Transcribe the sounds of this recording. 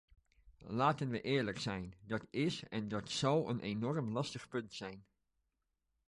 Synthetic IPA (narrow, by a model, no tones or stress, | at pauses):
laːtənʋəʔɪːɹləksɛjndɑtɪsɛndɑtsɑwə̰nʔenɔrmlɑstəχpɵntsɛjn